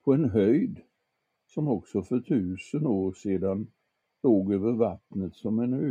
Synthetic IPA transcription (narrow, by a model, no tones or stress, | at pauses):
pʰɔɛnɦœjd̪ | sɔmɔksɔfœʈʰʉ̟ːsənoːɾseːd̪an | loːɡøːvəɾvat̪nət̪sɔmɛnø